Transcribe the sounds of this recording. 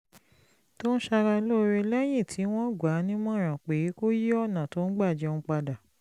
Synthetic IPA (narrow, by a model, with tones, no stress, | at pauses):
to˦ñ̩˦ʃa˧ɾa˧i˧lo˦˧ɾe˧lɛ˦j̃ĩ˦˨tʰi˨˦w̃ɔ̃˦ɡʷa˨˦nĩ˦mɔ̃˦˨ɾ̃ã˨k͡pe˨˦ko˦je˦ɔ˦˨nã˨to˨˦n̩˦ɡ͡ba˦˨d͡ʒɛ˨˧ɔ˧ũ˧k͡pa˧da˨